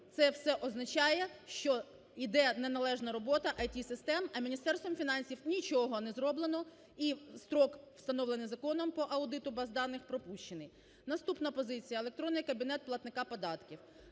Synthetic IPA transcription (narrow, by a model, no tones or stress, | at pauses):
t̪sɛwsɛʔɔznɐt͡ʃɑjɛʃt͡ʃɔ | id̪ɛnɛnɐlˠɛʒnɐɾɔbɔt̪ɐʔɐjtʲisɪst̪ɛmɐmʲinʲist̪ɛrst̪ʋɔmfʲinɑnʲsʲiwnʲit͡ʃɔɦɔnɛzɾɔblˠenɔ | ist̪ɾɔkw̥st̪ɐnɔʋlˠenɪjzɐkɔnɔmpɔʔɐwd̪ɪt̪ʊbɐzd̪ɑnːɪxpɾɔpuʃt͡ʃenɪj | nɐst̪upnɐpɔzɪt͡sʲijɐelˠekt̪ɾɔnːɪjkɐbʲinɛt̪̚plˠɐt̪nɪkɑpɔd̪ɑt̪kʲiw